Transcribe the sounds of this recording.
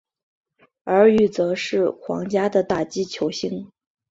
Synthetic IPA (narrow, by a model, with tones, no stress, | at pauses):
ə˞˧˥y˥˩t͡sɤ˧˥ʂɻ̩˥˩xwɑ̰˧˥ŋt͡ɕja˥d̪ə˨t̪a˥˩t͡ɕi˥t͡ɕʰjo˧˥ʊɕi˥ŋ